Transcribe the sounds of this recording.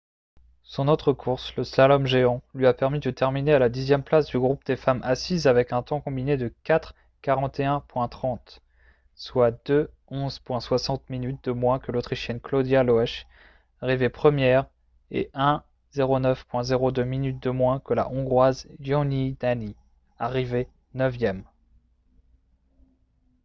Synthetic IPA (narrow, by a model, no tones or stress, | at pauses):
sɔ̃nɔt̪χəkʰuʁsləslalɔmʒeɑ̃lɥiapɛʁmid̪ət̪ɛʁminealad̪izjɛmplasd̪yɡʁupd̪efamʔasizavɛkɛ̃t̪ɔ̃kɔ̃bined̪əkat̪χ | kaʁɑ̃t̪eɛ̃pwɛ̃t̪χɑ̃t̪ | swad̪ø | ɔ̃zpwɛ̃swasɑ̃t̪minyt̪̚d̪əmwɛ̃kəlot̪χiʃjɛnklod̪jaloɛʃ | aʁivepχəmjɛʁ | ḛʔɛ̃ | z̥eʁonœfpwɛ̃zeʁod̪øminyt̪̚d̪əmwɛ̃kəla̰ʔɔ̃ɡʁwazjɔ̃nid̪ani | aʁive | nœvjɛm